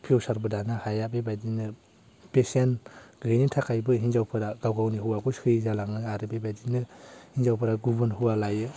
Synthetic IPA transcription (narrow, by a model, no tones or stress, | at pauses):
pʰiowsaɾbɯdanahajabebajdinɯ | pesenɡɯjnitʰakʰajbɯɦinzawpʰɯɾaɡawɡawniɦuwaɡuskʰɯjzalaŋɯaɾɯbebajdinɯhinzawpʰɯɾaɡubɯnhuwalajɯ